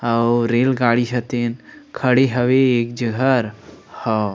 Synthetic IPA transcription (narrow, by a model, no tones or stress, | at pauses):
ɐwɾeːlɡaːɽiʃɐt̪eːnkʰɐɽeɦɐʋeeːk̚d͡ʒɐɡʱəɾ | hɔ